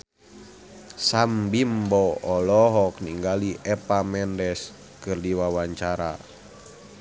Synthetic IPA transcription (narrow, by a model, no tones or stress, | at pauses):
sambimbɔɔlɔɦɔk̚niŋɡaliʔɛpamɛndɛs | kɨrdiwawaɲt͡ʃaɾa̰